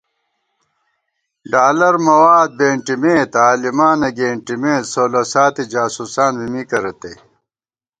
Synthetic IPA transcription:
ɖaːlɐɾmɐwaːd̪̚beːɳʈimẽːt̪aːlimaːnɐɡeːɳʈimẽːt̪soːlosaːt̪id͡ʑaːsuːsaːnbimikɐɾɐt̪ḛ

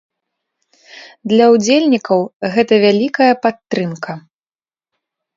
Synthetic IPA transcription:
d̪lʲɐwd͡zʲelʲnʲikɐwɣɛt̪ɐvʲalʲikɐjɐpat̪ːɾɨmkɐ

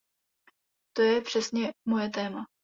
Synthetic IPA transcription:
t̪o̞jɛpr̝̥ɛsɲɛmojɛt̪ɛːma

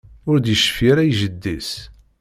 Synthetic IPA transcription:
ʊɾd̪jəʃfiɾæjʒəd̪ːis

